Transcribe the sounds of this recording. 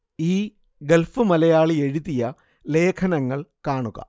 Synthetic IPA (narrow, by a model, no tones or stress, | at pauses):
iː | ɡelfɨmɐlɐjaːɭie̞ɻiðijɐ | le̞ːkʰɐnɐŋːɐɭkaːɳuɣɐ̰